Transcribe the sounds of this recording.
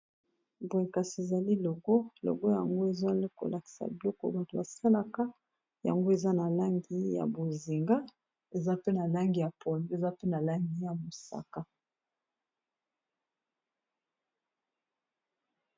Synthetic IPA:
bo˨e˨ka˨si˨e˨za˨li˦lɔ˨ɡɔ˦lɔ̰˨ɡɔ˦ja˨ŋɡo˦e˨zo˦ko̰˨la˨ki̥˨sa̰˨bi˨lɔ˦kɔ̰˦ba˨to˨ba˨sa˦la˦ka˦ | ja̰˨ŋɡo˦e˨za˦na˨la˦ŋɡi˦ja̰˨bo˨zi˨ŋɡa˦ | e˨za˦pe˦na˨la˦ŋɡi˨ja˨pʰɔ˨n˦e˨za˦pe˦na˨la˦ŋɡi˦ja˨mo˨sa̰˨ka˦

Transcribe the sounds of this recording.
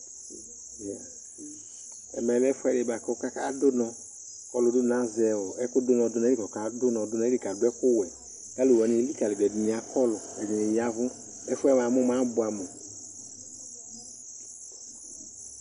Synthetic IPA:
ja˨ | ɛ̰˨mɛ˨lɛ˦fɛ˦lɪ˨ba˨kɔ˦ka˦ka˦dʊ˦nɔ̃˨ | kɔ˦lʊ˨dʊ˦nã˦zɛ˨wɔ˨ɛ˦kʊ˦dʊ˦nɔ̃˨dʊ˦n˨˦i˨kɔ˨ka˦dʊ˦nɔ̃˨dʊ˦nɔ̃˨˦i˦ka˨dʊ˦ɛ˦kʊ˦wɛ˨ | ka˦lu˨wɔ˨ni˨li˦ka˨lɪ˨bɛ˨di˨ni˨a˨kɔ˦lɔ˨ɛ˨di˨nɪ˨ja˦vʊ˦ | ɛ˦fʊ˦ɛ˦m˨ã˨˦mʊ̃˦mã˦bʊ˨˦a˨mo˨

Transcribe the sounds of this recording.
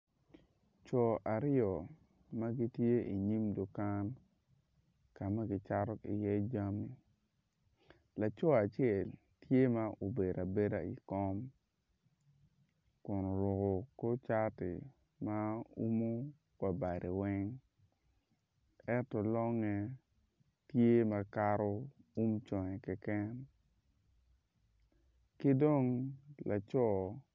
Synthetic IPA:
t͡ʃɔ˨a˨ɾɔ˨ | ma˦ɡi˦tje˦i˨ɲi˦mdo˨ka˦n | ka˨ma˦ɡi˦t͡ʃa˦ɾɔ˦ḭ˨jɛ˦d͡ʒa˦mi˨ | la˨t͡ʃɔ˦a˨t͡ʃjɛ˦˨l | tje˦ma˦ʔo˨be˨ɾa˨be˦da˨ḭ˨kɔ˦m | kʊ˨no˨ɾʊ˨ko˨ko˦t͡ʃa˦tɪ̰˨ | ma˦ṵ˦mo˦ | wa˨ba˨ɾe˨wɛ˦ŋ | ɛ˦tɔ˨lɔ˦ŋɛ˦ | tje˦ma˨ka˦ɾo˦u˦mt͡ʃɔ˨ŋɛ˨kɛ˦kɛ˦n | ke˦do˦ŋla˨t͡ʃɔ˦˨

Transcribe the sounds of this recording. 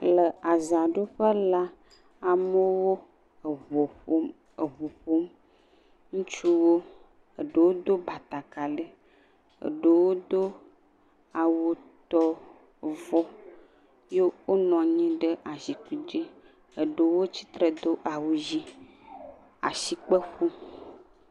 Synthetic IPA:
lə˨a˨za˨ɖo˦ɸə˦la˦ | a˨mə˦wo˦ | ə˨βo˨ɸo˦m | ə˨ɦo˨ɸo˦m | ŋũ˦t͡ʃu˦wo˦ | ə˨ɖə˨wo˦d̪o˦ba˨t̪a˨ka˨lə˦ | ə̰˨ɖə˨wo˦d̪o˦ | a˨wo˨t̪ɔ˦ | vɔ˦ | je˦wo˦nɔ̃˨ɲĩ˦ɖə˦ʔa˨zi˨ku˨d͡ʒi˦ | e˨ɖe˨wo˦t͡ɕi̥˦t̪ɾe˨d̪o˦ʔa˨wu˨zi˦ | a̰˨si˨k͡pe˦ɸu˦

